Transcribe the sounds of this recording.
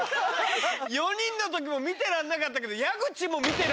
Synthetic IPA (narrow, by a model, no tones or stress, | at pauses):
jo̞ɲ̟ĩnːo̞t̪o̞k̬ʲimo̞mʲit̪e̞ɾãnːakat̪̬ːake̞d̪o̞jaɡɯ̟t͡ɕimo̞mʲit̪e̞ɾ